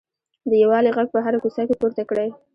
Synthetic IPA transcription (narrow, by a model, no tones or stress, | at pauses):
d̪əjawɑleɣaɡ̚pəɦaɾakusakepoɾt̪akɽaj